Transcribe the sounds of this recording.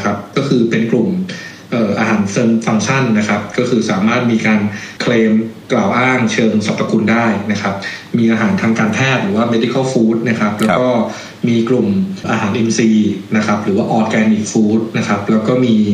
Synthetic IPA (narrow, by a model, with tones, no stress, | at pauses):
kʰa˦˥p̚kɔː˥˩kʰɯː˧pe˧nklu˨˩m | ʔɤː˨˩ʔaː˧ɦaː˩˦nsɤː˧nfa˧ŋt͡ɕʰa˥˩nːa˦˥kʰa˦˥p̚kɔː˥˩kʰɯː˧saː˩˦maː˥˩t̪̚miː˧kaː˧nkʰleː˧mklaː˨˩wʔaː˥˩ŋt͡ɕʰɤː˧ŋsa˨˩pːa˧kʰu˧ndaː˥˩jna˦˥kʰa˦˥p̚miː˧ʔaː˧ɦaː˩˦nt̪ʰaː˧ŋkaː˧np̪ʰɛː˥˩t̪̚ɾɯː˨˩˦waː˥˩me˦˥d̪i˧kʰa˥˩wfuː˦˥t̪̚na˦˥kʰa˦˥p̚lɛː˦˥wkɔː˥˩ | miː˧klu˨˩mʔaː˧ɦaː˩˦nʔe˧msiː˧na˦˥kʰa˦˥p̚ɾɯː˩˦waː˥˩ʔɔː˧t̪̚kɛː˧niː˨˩k̚fuː˦˥t̪̚na˦˥kʰa˦˥p̚lɛː˦˥wkɔː˥˩miː˧